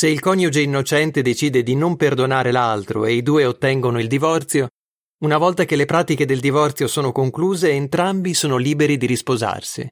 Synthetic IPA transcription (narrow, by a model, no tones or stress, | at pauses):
seilkɔɲjud͡ʒeinːot͡ʃɛnt̪ed̪et͡ʃiːd̪ed̪inomperd̪onaːɾelalt̪ɾo̰eid̪uːeot̪ːɛŋɡonoild̪ivɔrt̪sjo | unavɔlt̪ak̟elepɾaːt̪iked̪eld̪ivɔrt̪sjosoːnokoŋkluːzeːnt̪ɾambisoːnoliːbeɾid̪iɾispoza̰rsḭ